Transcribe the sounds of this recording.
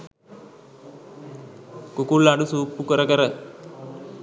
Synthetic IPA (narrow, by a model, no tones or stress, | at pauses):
kukulːaɖusuːpːukɐɾɐkɐɾɐ